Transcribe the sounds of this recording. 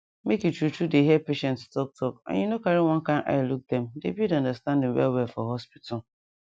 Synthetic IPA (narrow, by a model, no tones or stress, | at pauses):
mekutʰutudeɦiɛpeʃɛ̃nttʰɔk̚tʰɔkã̰junokaɾiwɔ̃nkãnʔa̰ɪluk̚d̪ɛ̃mdḛbidãndastãndɪ̃wɛ̰lwɛlfɔɦɔspitʰʊ